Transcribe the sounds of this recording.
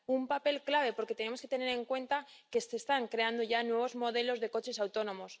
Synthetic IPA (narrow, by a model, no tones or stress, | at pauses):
umpape̞lklaβ̞e̞po̞ɾket̪e̞nemo̞ske̞t̪e̞ne̞ɾe̞ŋkwe̞nt̪ake̞sest̪aŋkɾe̞and̪o̞ʝanwe̞β̞o̞zmo̞ðe̞lo̞zðe̞ko̞t͡ʃe̞sawt̪o̞nõ̞mo̞s